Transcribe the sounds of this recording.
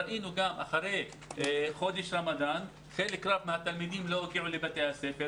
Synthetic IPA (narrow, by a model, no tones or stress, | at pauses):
ɾʔinuɡamʔa̰χaɾej | χo̞d̪eʃɾamad̪an | χelekɾavmehat̪almid̪imlo̞oɡiʕulebat̪ejhasefe